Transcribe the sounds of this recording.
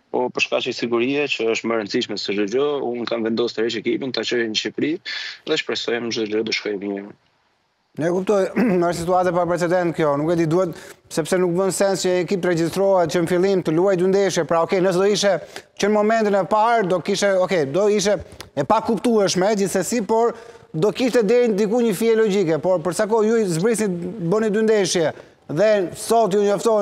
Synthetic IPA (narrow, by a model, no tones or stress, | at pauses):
pɔpəɾʃka̰t͡ʃəsiɡuɾiɛt͡ʃəəʃt̪məɾənt͡siʃmɛsəʒd̪əd͡ʒɔunkanvɛnd̪ɔst̪əɾɛt͡ʃɛkipint̪at͡ʃɔjɛɲəʃipɾiɛðɛt͡ʃə̥pɾɛsɔjɛməʒd̪əd͡ʒɔd̪əʃkɔjɛmjɛɾə | nɛɛkup̚t̪ɔjnəʃt̪sit̪uat̪ɛpapɾɛt͡sɛd̪ɛnt̪̚kjɔnukɛd̪id̪uɛt̪sɛpsɛnuk̚bənsɛnst͡ʃəɛkipt̪əɾɛd͡ʑist̪ɾɔhɛt̪t͡ʃənfilˠimt̪əluajd̪ynd̪ɛʃjɛpɾaɔkɛjnəsɛd̪ɔiʃɛt͡ɕənmɔmɛnt̪inɛpaɾd̪ɔkiʃt̪ɛɔkɛjd̪ɔiʃ̬ɛːpakupt̪uɛʃmɛd͡ʑiθəsipɔɾ | d̪ɔkiʃt̪ɛd̪ɛɾind̪ikuɲəfiɛlɔd͡ʑikɛpɔɾpəɾsak̬ɔjuzbɾisnibənid̪ynd̪ɛʃjɛ | ðɛsɔt̪juɲɔft̪ɔ